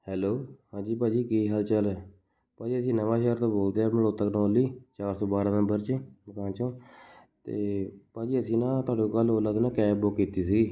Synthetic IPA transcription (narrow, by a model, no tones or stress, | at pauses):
hɛːloːhãːd͡ʒiːp̬aːd͡ʒiːkiːɦəlt͡ʃəlɛː | paːd͡ʒiːəsĩːnəʋãːʃɛɦəɾt̪õːboːld̪eːaːməɽoːt̪əknɔːliːt͡ʃaːɾsõːbaːɾãːnəmbəɾt͡ʃməkãːt͡ʃõː | t̪ḛːpaːd͡ʒiːəsĩːnãːt̪ʊaːɽõːkəloːləd̪nãːkɛːbokːiːt̪iːsiː